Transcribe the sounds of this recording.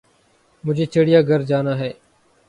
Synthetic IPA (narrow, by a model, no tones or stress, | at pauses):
mʊd͡ʒʱeːt͡ʃʰeɽɪjaːɡəɾd͡ʒaːnaːɦɛː